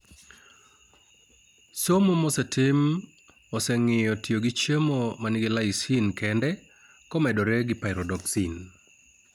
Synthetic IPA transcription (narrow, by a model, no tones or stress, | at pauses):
somomɔsɛtʰɪm | ɔsɛŋɪjɔtioɡɪt͡ʃemomanɪɡɪlaɪsinkɛndɛ | kɔmɛdɔɾɛɡɪpaɪɾɔdɔksin